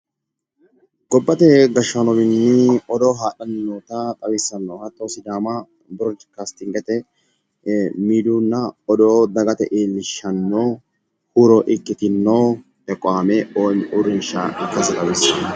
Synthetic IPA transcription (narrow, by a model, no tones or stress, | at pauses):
ɡ̥ɔbːɐt̪ɛɡɐʃːɐnɔbɪnːɪɔd̪oːɦaːɗɐnɪnːoːt̪ɐt̪ʼɐwisːɐnːɔhɐt̪ːoːsɪd̪aːmɐ | bɾɔd͡ʒkaːst̪ɪŋɡɛt̪ɛ | miːd̪uːnːɐɔd̪oːd̪ɐɡɐt̪ɛʔeːlːɪʃːɐnːoː | huɾɔʔɪkːɪt̪ɪnːoː | ɛkʼɔaːmɛʔoːnʔʊɾɪnʃaʔkːɐsɛt̪ʼɐwiːsɐnːɔ